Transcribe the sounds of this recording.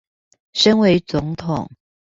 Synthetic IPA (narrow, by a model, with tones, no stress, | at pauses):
ʂə˥ŋwe˧˥ɪt͡sʊ˧˥ŋt̪ʰʊ˨˩˦ŋ